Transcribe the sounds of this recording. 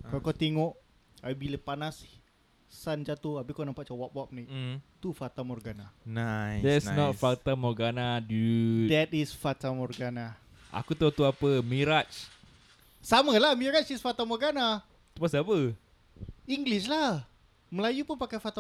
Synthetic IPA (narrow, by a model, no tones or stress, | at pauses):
kalokat̪eŋɔʔ | abiləpanasi | sand͡ʒat̪oabikonampaʔt͡ʃawapwap̚nit̪ufat̪amɔrɡananadɛsnɔtfat̪amɔrɡanadud̪ɛt̪isfat̪amɔrɡana | ʔa̰kut̪ut̪uapəmiɾat͡ʃ | samalahmiɾat͡ʃisfat̪amɔrɡana | t̪upasapə | iŋɡlislah | məlajupunpakajfat̪a